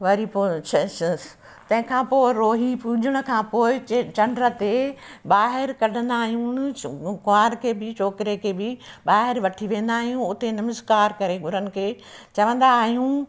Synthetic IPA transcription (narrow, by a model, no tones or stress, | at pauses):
ʋɐɾipoːt͡ʃʰɐʃs | t̪ɐ̃ɦɪ̃kʰãːpoːɪɾoːɦipũd͡ʑʱɪɽ̃ʊ̆kʰãːpoːɪt͡ɕɐ̃ɳɖɾə̆t̪eɓaːɦɪɾkɐɖʱə̃nd̪aːɦijũnkʊaːɾkʰeːbɪt͡ɕoːkɪɾekʰeːbɪɓaːɦɪɾʋɐʈʰiʋẽːn̆d̪aːɦijũʊt̪enɐmɪskaːɾkɐɾeɡʱʊɾənɪ̆kʰeː | t͡ɕɐʋə̃nd̪aːɦijũ